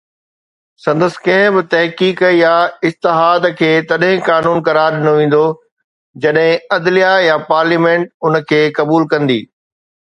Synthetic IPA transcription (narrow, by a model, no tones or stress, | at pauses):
sɐ̃nd̪əsɪ̥̆kɐ̃ɦɪ̃bɪt̪ɐɦkiːkjaɪst̪ɪɦaːd̪kʰeːt̪ɐɗɦɪ̃kaːnuːnkɐɾaːɾɗɪnoʋẽːn̆d̪o | d͡ʑɐɗɦɪ̃ɐd̪lijajapaːɾliːmẽːʈʊnkʰeːkɐbuːlkɐ̃nd̪ḭː